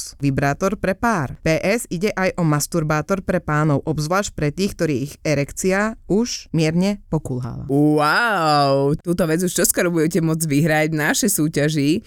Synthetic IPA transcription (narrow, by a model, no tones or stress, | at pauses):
ʋibɾaːt̪ɔɾpɾɛpaːɾpɛːʔɛziɟɛʔajʔɔmast̪uɾbaːt̪ɔɾpɾɛpaːnɔʊʔɔbzʋlaːʃc̚pɾɛt̪iːxk̚t̪ɔɾiːɣɛɾɛkt͡siauʒmɪɛɾɲɛpɔkulɦa̰la̰aʊt̪uːt̪ɔʋɛd͡zuʃt͡ʃɔskɔɾɔbuɟɛcɛmʊɔd͡zʋiɦɾaɟnaʃɛsuːcaʒi